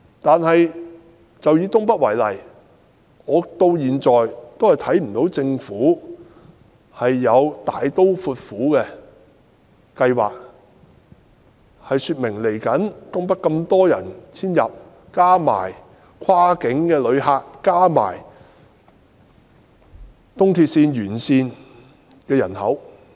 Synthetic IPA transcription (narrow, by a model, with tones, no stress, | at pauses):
t̪aː˨nhɐ˨j | t͡sɐ˨wjiː˨˧t̪ʊ˥ŋpɐ˥t̚wɐ˨˩jlɐ̰˨˩j | ŋɔː˨˧t̪o˧wjiː˨nt͡sɔː˨jt̪o˥whɐ˨jt̪ʰɐ˨˥jm̩˨˩t̪o˨˥wt͡sɪ˧ŋfuː˨˥ | hɐ˨jːɐ˨˧wt̪a̰ː˨jt̪o˥wfuː˧t̚fuː˨˥kɛː˧ | kɐ˧jwa̰ː˨k̚ | hɐ˨jsyː˧t̚mɪ˨˩ŋle˨˩jkɐ˨˥nt̪ʊ˥ŋpɐ˥t̚kɐ˧mt̪ɔː˥jɐ˨˩nt͡sʰiː˥njɐ̰˨p̚ | kaː˥ma̰ː˨˩j | kʷʰwaː˥kɪ˨˥ŋkɛː˧lɵ˨˧ɥɦaː˧k̚ːaː˥ma̰ː˨˩j | t̪ʊ˥ŋt̪ʰiː˧t̚siː˧njyː˨˩nsiː˧n | kɛː˧jɐ̰˨˩nhɐ˨˥w